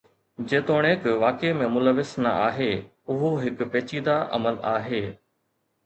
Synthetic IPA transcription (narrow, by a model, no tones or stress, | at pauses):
d͡ʑeːt̪oːɽ̃eːkʋaːkemẽmʊləʋɪsnɐ̰ʔa̰ːɦeː | ʊɦoɦɪkpeːt͡ɕiːd̪aʔɐ̰məla̰ːɦeː